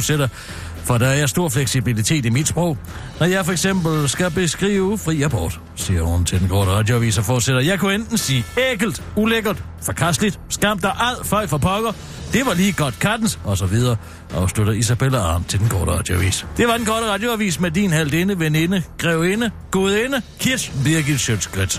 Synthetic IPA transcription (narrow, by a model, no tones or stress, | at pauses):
d̥seɾɐ | fɒ̽d̥ɑ̈æɐjaɐsd̥o̝ɐ̰fleɡ̥sibilit͡sʰe̝̰ːd̥imid̥sb̥ʁɔʊ̰ | nɒjɑ̈ɪfɒ̽eɡ̥sem̰b̥l̩sɡ̥æb̥e̝sɡ̥ʁḭːʊfʁḭːæb̥ɒ̰ːd̥ | siːɐhun̩t͡sʰe̝d̥enkʰɒːɾ̥əʁɑ̈d̥joæʋḭːsɒfɒːd̥seɾ̥ɐjɑ̈ɪkʰuend̥n̩siːeɡ̥l̩d̥uleɡ̥ɐd̥ | fɒ̽kʰæsd̥lid̥sɡ̥ɑm̰d̥æʔæð̰ˠfɒɪfɒpʰɒ̽ɡ̥ɐ | d̥e̝ʋɑ̈liːɡ̥ɒ̽d̥kʰæd̥n̩sɒ̽sɒ̽ʋið̞ˠɐː | ʔɑʊsluɾ̥ɐis̬ab̥eləɑ̈ːnt͡sʰe̝ld̥enkʰɒ̰ːɾ̥əʁɑ̰̈d̥joæʋḭːsd̥e̝ʋɑ̈d̥enkʰɒɾ̥əʁɑ̈d̥jo̝æʋḭːsmed̥inhæl̰d̥enəʋene̝nəɡ̥ʁɛʊ̰enəɡ̥o̝ːð̩ˠenəkʰiɐsbiɐɡi̥ɕød̥sɡ̥ʁɛd̥